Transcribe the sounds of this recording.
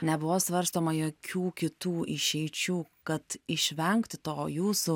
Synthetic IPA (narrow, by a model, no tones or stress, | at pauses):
nʲɛbʊʋoːsʋɐɾst̪oːmɐjoːkʲuːkʲɪt̪uːʔɪʃʲɛɪt͡ʃʲuːkɐt̪ɪʃʲʋʲɛŋkt̪ʲt̪oːjuːsu